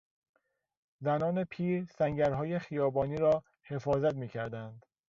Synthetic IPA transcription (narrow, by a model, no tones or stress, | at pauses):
zænɒːne̞pʰiːɾsæŋɟæɾɦɒːjexijɒːbɒːniːɾɒː | he̞fɒːzæt̪miːcʰæɾd̪ænd̪